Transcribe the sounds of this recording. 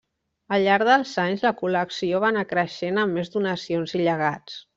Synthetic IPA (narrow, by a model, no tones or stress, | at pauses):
əlʎaɾðəlˠzaɲzləkuləksioβ̞anakɾəʃenəmːezd̪unəsionziʎəɣ̞at͡s